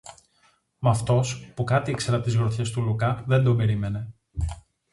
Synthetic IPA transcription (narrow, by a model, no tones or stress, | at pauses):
mɐft̪o̞spukɐt̪iekse̞ɾɐt̪izɣɾoçe̞st̪ulukɐðe̞nd̪o̞be̞ɾime̞ne̞